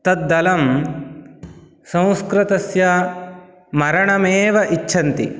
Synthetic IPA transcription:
t̪ɐt̪̚d̪ɐlɐm | sɐ̃w̃skɾɐt̪ɐsjɐ | mɐɾɐɳɐmeːʋɐʔit͡ʃːt͡ʃʰɐnt̪ḭ

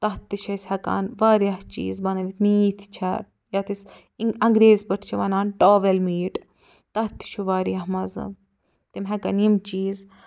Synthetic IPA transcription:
t̪ɐɦt̪ːiʃʰɐsʲhɐka̰ːnʋaːɾjɐht͡ʃḭːzbɐnɐʋit̪miːt̪ʰt͡ʃʰɐ̰ɾ | jɐt̪is | ɐŋɡɾeːzbɐʈʰt͡ʃʰiʋɐnaːnʈoːʋelmiːʈ | t̪ɐt̪ːi̥ʃʰuʋaːɾijɐɦmɐzɨ̰m | t̪imɦɐkɐnimt͡ʃiːz

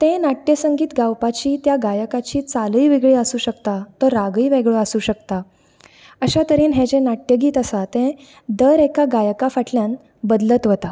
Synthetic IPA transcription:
t̪ẽnaʈjəsəŋɡiːt̪ɡawpat͡ɕiːt̪jaɡajəkat͡ɕiːt͡saliːʋiɡɭiːəsuːɕəkt̪at̪əɾaɡiːʋeɡɭoasuːɕəkt̪a | əɕat̪əɾiːnɦɛ̃d͡ʑẽnaʈjəɡiːt̪əsat̪ɛ̃ | d̪əɾekaɡajəkafaʈʰljãn | bəd̪lət̪ʋət̪a

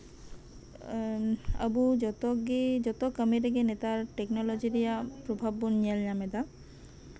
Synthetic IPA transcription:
ə̰bud͡ʒɔt̪ɔɡed͡ʒɔt̪ɔkəmiɾeɡenet̪aɾʈeknɔlɔd͡ʑiɾijapɾobʱabːunɲalɲamed̪a

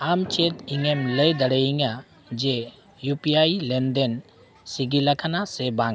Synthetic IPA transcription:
amt͡ʃʰet̪iŋemləjd̪əɽəjiŋa | d͡ʒe | jupiajlend̪en | siɡilakʰanasɛbaŋ

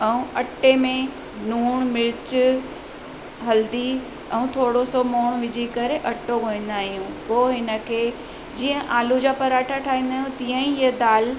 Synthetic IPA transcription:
ɛũɐʈːemẽ | nuːɽ̃mɪɾɪt͡ɕ | ɦɐld̪i | ɛ̃ũt̪ʰoːɽosɔmoːɽ̃ʋɪd͡ʑʱikɐɾeʔɐʈoɡʱoːĩːn̆d̪aːɦijũkoːɦɪnə̆kʰeː | d͡ʑiːə̃ʔaːlud͡ʑaːpɐɾaːʈʰaʈʰaːĩːnd̪aːɦjũt̪iːə̃ĩəd̪aːl

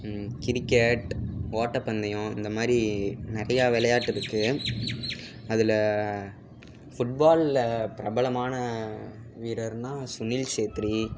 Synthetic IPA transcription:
kɪɾɪkːɛʈoːʈːɐpɐnd̪ɐjʊ̃ɪnd̪ɐmaːd̪ɾinɪɾɐjaːʋɪlɐjaːʈːɪɾɯkːɯ | ɐðɪl | fʊʈ̚baːlpɪɾɐbɐlɐmaːnɐ | ʋiːɾɐɾnãːsʊnilt͡ʃeːt̪ɪɾi

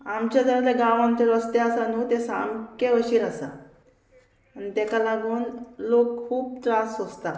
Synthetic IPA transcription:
amt͡ɕad̪əɾd̪eɡaʋãnt͡ɕ̪eɾɔst̪easanuːt̪esa̰mkeʋəɕiːɾasa̰ | nit̪ɛkalaɡuːnlokkʰuːp̚t̪ɾasɦost̪a

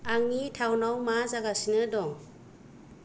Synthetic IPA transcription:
aŋnitʰawnawmazaɡasinɯdɔŋ

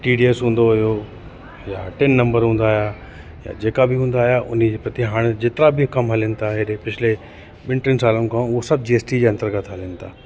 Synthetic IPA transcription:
ʈiːɖiesɦũːn̆d̪oɦʊjo | jaːʈɪnːɐ̃mbəɾɦũːnd̪aːja | ja̰d͡ʑeːkabʱɪɦũːn̆d̪aːɦjaʔʊn̤id͡ʑepɐt̪iɦaːɽ̃d͡ʑɪt̪ɪɾabʱikɐmɦɐlənɪ̆t̪aːɦeɗepɪt͡ɕʰɪle | ɓɪnʈɪnsaːlonɪkʰãːʊɦosɐb̚d͡ʑiːeːsʈid͡ʑeɐ̃nt̪əɾɡət̪ʰɦələnɪ̆t̪ʰaː

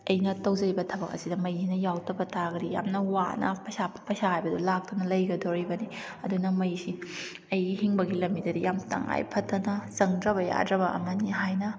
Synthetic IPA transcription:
ɐjnɐtɐwd͡ʒɐɾibɐtʰɐbɐk̚ɐ̰sidɐmɐjsinɐjawtɐbɐtaɡɾija̰mnɐwanɐ̰pɐjsapʰpɐjsahajbɐdulak̚tunɐlɐjɡɐdoɾibɐni | ɐdunɐmɐjsi | ɐjɡihiŋbɐɡilɐmːidɐdijamtɐ̰ŋa̰jpʰɐtʰːɐnɐzɐŋdɾɐβɐja̰dɾɐbɐʔɐ̰mɐniɦajnɐ

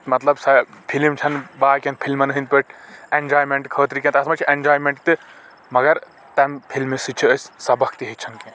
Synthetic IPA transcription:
mɐt̪lɐbsɐpʰilmt͡ʃʰɐnbaːkʲɐnpʰilmɐnɐɦint̪̚pəʈʰend͡ʒaːjmeɳʈkʰəːt̪ɾikʲẽnt̪ɐsmɐt͡ʃʰiʔend͡ʒaːjmeɳʈt̪ɨ | mɐɡɐɾ | t̪ɐmpʰilmisɨt͡ʃʰiəsʲsɐbɐkt̪iɦit͡ʃʰɐnkẽ

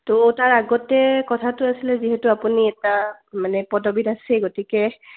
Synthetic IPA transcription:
toːtaɹaɡɔtɛkɔtʰatʊasilɛziɦɛtʊapuniɛtamanɛpɔdɔbidasɛɡotikɛ

